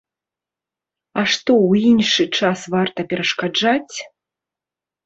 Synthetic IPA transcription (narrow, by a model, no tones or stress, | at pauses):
aʂt̪ɔwinʂɨt͡ʂasvart̪ɐpʲɛɾɐʂkad͡ʐat͡sʲ